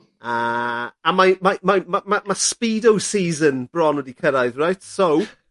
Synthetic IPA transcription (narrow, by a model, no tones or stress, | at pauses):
əamajmamamamamaspiːdowsiːzənb̥rɔnwədikʰəɾajðrajtsow